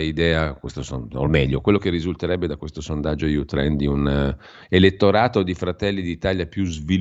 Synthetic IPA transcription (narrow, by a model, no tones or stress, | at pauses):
id̪ɛːakwest̪osono̰mɛʎːokwelːokerːizult̪eɾɛbːed̪akwest̪osond̪ad͡ʒːojut̪ɾɛnd̪iun | elet̪ːoɾaːt̪od̪ifɾat̪ɛlːid̪it̪aʎjapjuzvil